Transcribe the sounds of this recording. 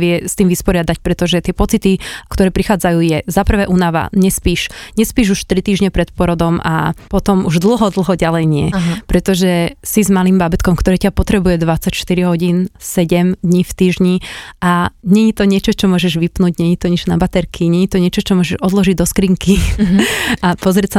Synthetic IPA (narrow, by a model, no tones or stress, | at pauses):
ʋɪɛst̪iːmʋispɔɾɪad̪ac̚pɾɛt̪ɔʒɛt̪ɪɛpɔt͡sit̪ikt̪ɔɾɛːpɾixaːd͡zajuːjɛzapr̩ʋɛːʔunaʋa̰ɲɛspiːʃɲɛspiːʒuʃt̪ɾit̪iːʒɲɛpɾɛt̪pʊɔɾɔd̪ɔma̰pɔt̪ɔmuʒd̪l̩ɦɔd̪l̩ɦɔɟalɛjɲɪɛpɾɛt̪ɔʒɛsizmalimbabɛt̪kɔmkt̪ɔɾɛːcapɔt̪ɾɛbujɛd̪ʋat͡sacʃt̪iɾiɦɔɟinsɛɟɛmd̪ɲiːft̪iːʒɲiʔaɲɛɲit̪ɔɲɪɛt͡ʃɔt͡ʃɔmʊɔʒɛʒʋipnuːɟɲɛɲit̪ɔɲɛd͡ʒna̰bat̪ɛɾkʰiɲɛɲit̪ɔɲɪɛt͡ʃɔt͡ʃɔmʊɔʒɛʒɔd̪lɔʒiɟd̪ɔskɾiːŋki | apɔzɾɪɛcsa